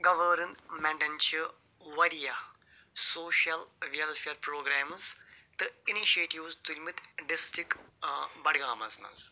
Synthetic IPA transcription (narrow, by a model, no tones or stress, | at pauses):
ɡɐʋəːɾənmɛ̃ɳʈɐnt͡ʃɨ | ʋɐɾija | soːʃɐlʋiɐlfeɾpɾoːɡɾaːmz | t̪ɨiniʃeːʈiʋzt̪ulʲmit̪ɖɪsʈɾɪk | bɐɽɡaːmɐzmɐ̰z